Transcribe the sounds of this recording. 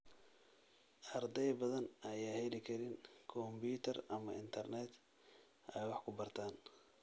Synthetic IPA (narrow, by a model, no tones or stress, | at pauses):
ʔɐrd̪ɛjbɐðɐnʔɐjaːhɛlɪkʰɐɾɪnkʰɔmbiːt̪ʰɐrɐmɐʔɪnt̪ʰɐrnɛːd̪ | ʔɛjwɑħkʰʊbɐrt̪ʰaːn